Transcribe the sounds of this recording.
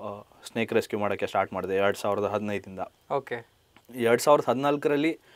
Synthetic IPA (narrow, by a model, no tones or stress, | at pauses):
sne̞ːkɾeskjumaːɽokːesʈaːɾʈmaːɽd̪eɛɾɽusaːʋiɾɐd̪ɐɦɐd̪inɐjd̪ind̪ɐ | oːke | ɛɾɽusaːʋiɾɐd̪ɐɦɐd̪inaːlkɐɾɐlːi